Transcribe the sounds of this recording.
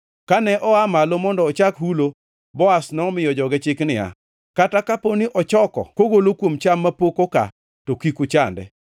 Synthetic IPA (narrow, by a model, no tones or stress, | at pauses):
kanɛʔɔamalomɔndɔːt͡ʃakhulo | bɔasnɔmɪjɔd͡ʒɔɡɛt͡ʃɪknɪa̰ | katakaponiʔɔt͡ʃɔkɔ̰koɡolokwomt͡ʃamːapokoka̰ | tokikut͡ʃandɛ̰